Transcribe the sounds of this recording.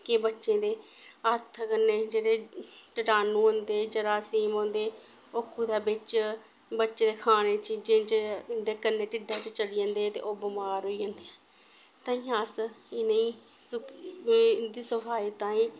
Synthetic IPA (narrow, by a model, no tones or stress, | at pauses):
kebətːʃẽːd̪eː | ət̪ʰkənːeːd͡ʒeːɽeːʈəʈaːnũːə̃nd̪eːd͡ʒəɽaːsiːmõːnd̪eː | okʰːuːd̪aːbɪt͡ʃ | bətːʃẽːd̪eːkʰaːneːt͡ʃid͡ʒẽːt͡ʃd̪eːkənːeːʈɪɖaːt͡ʃt͡ʃəliːə̃ːnd̪eːt̪ḛːʔoːbɪmaːɾɦoːiːə̃ːnd̪eːɛː | t̪ãːĩːaːsɪnəĩː | s | d̪iːsəfʰaːiːt̪ãːĩː